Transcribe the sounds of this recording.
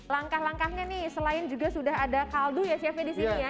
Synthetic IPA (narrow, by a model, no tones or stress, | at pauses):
laŋkahlaŋkahɲanɪhsəlaɪnd͡ʒuɡasudaɦadakaldujasiapɛdisiija